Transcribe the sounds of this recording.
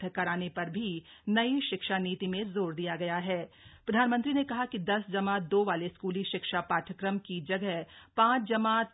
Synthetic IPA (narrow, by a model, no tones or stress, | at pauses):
əkɐɾaːnepɐɾbʱinɐiʃɪkʃaniːt̪imẽzoːɾd̪ijaɡɐjaɦɛːpɾɐd̪ʱaːnmə̃nt̪ɾinekɐɦakid̪ɐsd͡ʒɐmaːd̪oːʋaːleskuːliʃɪkʃapaːʈʰəkɾəmkid͡ʒɐɡɛɦpãːt͡ʃʰd͡ʒɐmaː